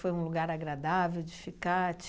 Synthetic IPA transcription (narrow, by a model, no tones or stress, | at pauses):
fojũluɡaɾaɡɾad̪avewd͡ʒɪfikat͡ʃ